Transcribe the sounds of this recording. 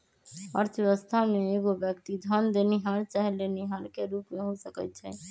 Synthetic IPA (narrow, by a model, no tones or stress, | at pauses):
əɾt̪ʰʋeʋəst̪ʰameːɡobjəkt̪id̪ʱənd̪eniɦəmɾt͡ʃaɦɛleniɦəɾkeɾupmeɦõsəkət̪̚t͡ʃʰɛ